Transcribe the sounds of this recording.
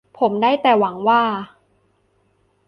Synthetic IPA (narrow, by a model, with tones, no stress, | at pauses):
pʰo˩˦mdaː˥˩jt̪ɛː˨˩wa˩˦ŋwaː˥˩